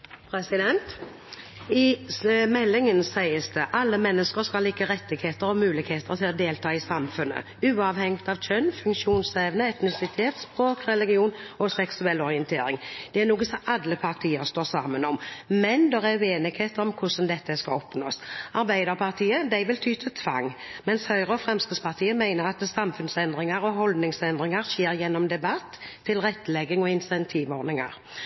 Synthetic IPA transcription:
pʰɾɛsɪd̪ɛnt̪ | ɪmɛlːɪŋənsæɪəsd̪əʔɑlːəmɛnːəskəɾskɑlliːkəɾɛt̪ːɪɡheːt̪əɾɔmʉːlɪɡheːt̪əɾt̪ʰɪlɔd̪eːlt̪ʰɑːɪsɑmfʉnːə̰ | ʉːɑːʋhɛŋt̪ɑʋc͡çœnːfʉŋkʃuːnsɛʋnəɛt̪nɪsɪt̪ʰeːt̪spʁoːkɾɛlɪɡɪuːnɔsɛksʉɛlːɔɾɪənt̪ʰḛːɾɪŋd̪̥ɛæɾnuːɡəsɔʔɑd̪ːəpʰɑʁt̪ʰiːəɾst̪oːsɑːmənɔmmɛnd̪ɛʁɛʉeːnɪɡheːt̪əɾɔmkʰʊsnd̪ɛt̪ːəskɑɔpno̰ːsɑɾbæɪd̪əʁpʰɑʁt̪ʰiːəd̪æɪʋɪlt̪ʰyːt̪ʰət̪ʰʋɑ̰ŋmɛnshœʏʁəɔfʁɛmsk̪əspʰɑʁt̪ʰiːəmæɪnəʁɑt̪sɑmfʉnsɛnd̪ʁɪŋɑɾɔɦɔld̪nɪŋsɛnd̪ʁɪŋɑɾʃeːɾjɛnːɔmd̪ɛbɑt̪ʰːɪlʁɛt̪ːlɛɡɪŋɔɪnsɛnt̪ʰiːʋɔɾnɪŋɑ̰ɾ

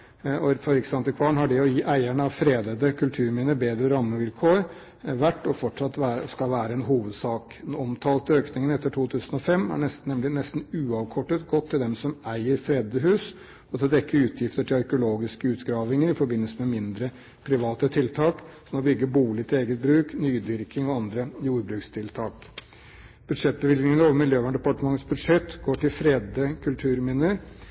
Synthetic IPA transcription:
ɔfɔɾɪksɑnt̪əkʰʋɑːɳɦɑɖɪɔjiːʔæɪæɳəɑʋfɾeːd̪əd̪əkʰʉlt̪ʰʉːɾmɛːnəbeːd̪ɾəɾɑmːəʋɪlkʰoːɾ | ʋæʈːɔfɔʈʂɑt̪ːʋæːskɑlʋæːɾəɛnɦuːʋəd̪sɑːkɛnɔmt̪ʰɑːlt̪øːknɪŋənɛt̪ːəʈʰuːt̪ʰʉːsənɔfɛmːæ̰ɳɛsnɛmlɪnɛst̪nʉːɑʋkʰɔʈːət̪ɡɔt̪ʰːɪld̪ɛmsɔmæɪəɾfɾeːd̪əɦʉːs | ɔt̪ʰɪd̪ɛkːəʉːt̪ʰjɪft̪əʈʰɪlɑɾkəʊloːɡɪskəʉːt̪ɡɾɑːʋɪŋəɾɪfɔɾbɪnːəlsəmɛmɪnd̪ɾə | pʰɾɪʋɑːt̪ət̪ʰɪlt̪ʰɑːksɔmɔbʏɡːəbuːlɪt̪ʰɪleːɡət̪̚bɾʉːknyːd̪ʋɪɾkɪŋɔɑnd̪ɾəjuːɾbɾʉːkst̪ʰɪlt̪ʰɑːk | b̥ʉd̪ʂɛt̪̚ːbəʋɪlnɪŋənəoːʋəɾmɪljøːʋæɳɖ̪ɛpɑʈəmɑŋət̪sbʉd̪ʂɛt̪ːɡoːʈɪlfɾeːd̪əkʰʉlt̪ʰʉːɾmɪnːəɾ

